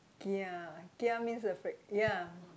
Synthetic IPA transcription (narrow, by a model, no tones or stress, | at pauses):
kiakiamĩnsdəfɹɛk̚ja